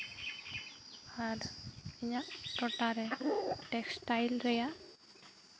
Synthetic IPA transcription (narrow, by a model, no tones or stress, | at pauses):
aɾɛɲaʔʈɔʈaɾɛʈɛksʈajlɾɛja